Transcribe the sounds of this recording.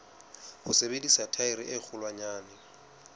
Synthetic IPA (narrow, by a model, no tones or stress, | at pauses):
hʊsebedisatʰaɪɾiʔɪk͡xʰʊlwaɲaːnɪ